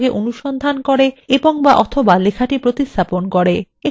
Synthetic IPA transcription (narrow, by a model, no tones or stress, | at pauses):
ɡeʔonuʃɔnd̪ʱankoɾeeboŋbaʔɔt̪ʰobalekʰaʈipɾot̪ist̪ʰaponkoɾe | e